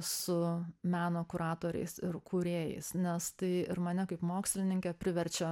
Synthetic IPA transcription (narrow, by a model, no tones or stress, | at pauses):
sʊmʲæːnoːkʊɾɑːt̪oːɾʲɛ̰ɪsɪɾkʰuːɾʲeːjɛ̰ɪsnʲɛst̪ɐɪɪɾmɐnʲɛkɐɪpmoːksʲlʲɪnʲɪŋʲkʲɛpʲɾʲɪʋʲɛɾʲt͡ʃʲɛ